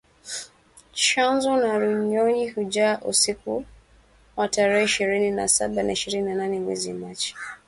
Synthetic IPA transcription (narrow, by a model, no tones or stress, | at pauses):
t͡ʃanzɔnaɾuɲɔɲihud͡ʒaʔṵsiku | wataɾɛhɛiʃiɾinina̰sa̰ɓanaiʃiɾininananɛmwɛ̰zimat͡ʃi̥